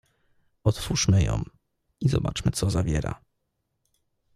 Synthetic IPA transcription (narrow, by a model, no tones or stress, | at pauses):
ɔt̪fuʂmɘjɔ̰̃w | izɔbat͡ʂmɘt̪sɔzavʲjɛɾa̰